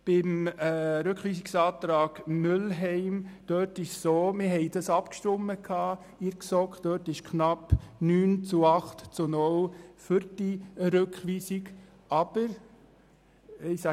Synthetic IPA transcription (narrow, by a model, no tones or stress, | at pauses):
b̥ɪmːɾʉkχʋiːsiksɑːt̪ɾɑːɡ̥mʏlɦɛɪmd̥œtɪʃsoːmɪɦhɛɪd̥ɑsɑpkʃtʊmːəkʰɑː | ɪɾksɔkd̥œːtɪʃkχnɑpnyːnt͡suɑχtt͡sunʊlfʏɾd̥iɾʏkχʋiːsɪk | ɑb̥əɾ | ɪsæ